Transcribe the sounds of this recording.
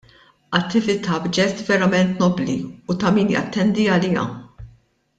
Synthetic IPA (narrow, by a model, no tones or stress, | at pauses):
ɐt̪ːɪvɪt̪ɐbd͡ʒɛt̪vɛɾɐmɛnt̪nɔbliut̪ɐmiːnjɐ̰t̪ːɛnd̪iɐlijɐ̰